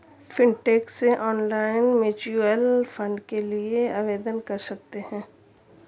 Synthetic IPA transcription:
fɪ̃ɳʈɛːkseʔɔːnlaːɪnmeːt͡ʃuɛlfə̃ɳɖkelieaːʋeːd̪ənkɐɾsɐk̚t̪eɦɛ̃ː

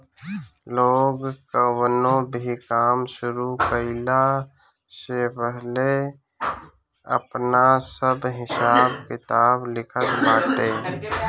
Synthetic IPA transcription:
loːɡkəwnõbʱikaːmsʊɾukəɪla | sepəɦle | ə̰pnasəbɦɪsaːbkɪt̪aːblɪkʰət̪baːʈeː

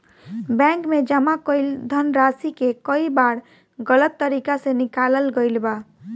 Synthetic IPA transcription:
bɛ̃kmed͡ʒəmakəjld̪ʱənɾasikekəibaɾ | ɡələt̪ːəɾikasenikaləlɡəjlba

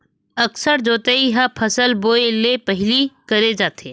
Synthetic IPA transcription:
ɐksəɾd͡ʒoːt̪eiɦapʰɐsəlboːelepɐɦɪlikɐɾed͡ʒaːt̪eː

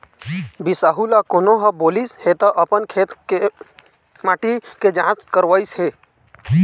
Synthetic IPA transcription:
bisaːɦulakoːnoɦəboːlishet̪əʔəpənkʰet̪ke | maʈiked͡ʒãːt͡ʃkəɾʋəisɦeː

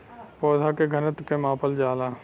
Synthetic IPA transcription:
pɔːd̪ʱakeɡʱənət̪kemãːpəld͡ʒaːla

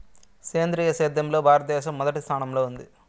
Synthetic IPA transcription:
keːnd̪ɾiːjɐseːd̪ːɐmlo̞ːbʱaːɾɐt̪̚d̪ɛːʃɐmːɔd̪ɐʈist̪ʰaːnɐmlo̞ːund̪i

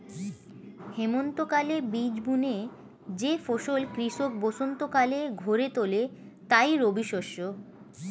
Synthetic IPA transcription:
hemont̪okalebid͡ʑbune | d͡ʑefoʃolkɾiʃok̚boʃont̪okaleɡʱoɾet̪olet̪ajɾobiʃoʃo

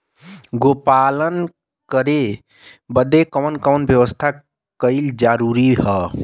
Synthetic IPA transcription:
ɡopalən | kəɾe | bəd̪ekəmənkəmnbʱjəʋəst̪ʰa | kəɪld͡ʒaɾuɾiɦə

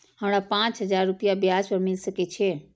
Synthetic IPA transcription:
ɦəmɽ̃apãt͡ʃɦəd͡ʒaɾːupijabjaspəɾmɪlsəkɛt͡ʃʰɛ

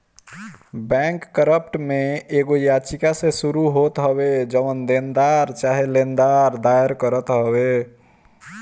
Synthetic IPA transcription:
bɛ̃ŋkːəɾəpʈmeeɡojat͡ʃikasẽsuɾuɦot̪ɦəbed͡ʒəmənd̪end̪aɾt͡ʃaɦelend̪aɾd̪aeɾkəɾət̪ɦəbe

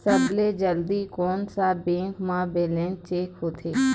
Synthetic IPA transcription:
səbleːd͡ʒəld̪iːkoːnsaːbẽːŋkmãːbeːlẽːnt͡ʃeːkɦoːt̪ʰeː

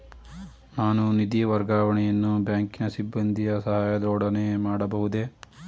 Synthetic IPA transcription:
naːnunid̪ijɐʋɐɾɡaːʋɐɳɛjɐnːubjaːŋkinɐsibːɐnd̪ʱijɐsɐɦaːjɐd̪ɔːɽɐnemaːɽɐbɐɦud̪e̞

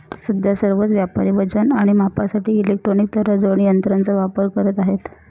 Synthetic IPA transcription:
səd̪ʱjasəɾʋət͡sʋjapaɾiʋəd͡zənaɽ̃imapasaʈiːlek̚ʈɾonik̚t̪ʰəɾəd͡zəɳijənt̪ɾant͡səʋapəɾkəɾət̪aɦet̪

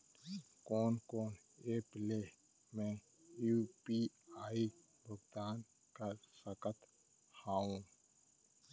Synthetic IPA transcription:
kɔːnkɔːn | eːple | mɛ̃ | jupi | aːi | bʱʊɡd̪aːn | kasəkət̪ | haːũ

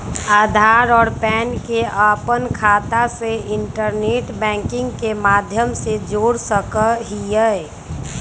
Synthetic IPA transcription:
aːd̪ʱaːɾɔːɾpɛːnkeʔaːpənkʰaːt̪aseɪɳʈəɾneːʈbɛ̃ːŋkɪ̃ŋɡkemaːd̪ʱjəmsed͡ʒoːɽsəkəɦiə

